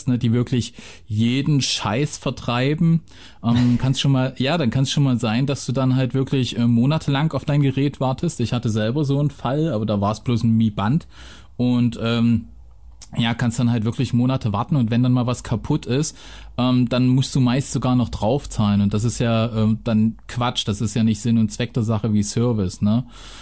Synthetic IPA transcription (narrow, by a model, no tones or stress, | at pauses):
stnədiːvɪɐklɪç | jeːdn̩ʃa̰ɪsfɛɐtʁ̥aɪbm̩ | ʔɛːmankʰanstʃoːnmaːljaːdankʰansʃoːnmaːlzaɪndasd̥uːdanɦaltv̥ɪɐklɪçʔɛːmoːnatʰəlaŋaʊfd̥aɪnɡəʁɛːtv̥aɐtʰəstɪçhatəzɛlbɐzoːnfalʔaːbɐdaːvaːɐsb̥loːsn̩miːbant | ʔʊntʔɛːm | jaːkʰanstuːd̥anɦaltv̥ɪɐklɪçmoːnatʰəvaɐtn̩ʊntvɛndanmaːlvaskʰapʰʊtʰɪst | ʔɛːmd̥anmʊstd̥uːmaɪstz̥oɡaːɐnɔχd̥ʁaʊft͡saːlənʊnt̚d̥as̬ɪstjaːʔɛːmd̥ankv̥at͡ʃd̥asɪstjaːnɪçtz̥ɪnʊntt͡sv̥ɛk̚d̥eːɐzaχəviːsœɐvɪsnə